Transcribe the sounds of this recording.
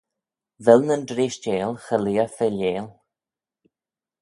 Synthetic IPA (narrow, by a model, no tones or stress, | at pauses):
vɛlnəndɾeːʃt͡ʃeːlxəliːəfɛleːl